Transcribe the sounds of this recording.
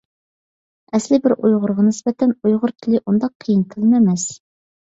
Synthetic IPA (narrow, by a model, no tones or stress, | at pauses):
ɛslɪbɪɾʔujʁʊɾʁɑnɪsbɛt̪ʰɛnujʁʊɾt̪ʰɪlɪʔund̪ɑqʰːijinkʰɨlˠmɛmɛs